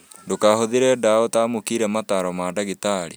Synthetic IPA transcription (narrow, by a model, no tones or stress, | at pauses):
dokahoðeɾɛdaɔtaːmokiɾɛmataɾɔmadaɣitaɾḭ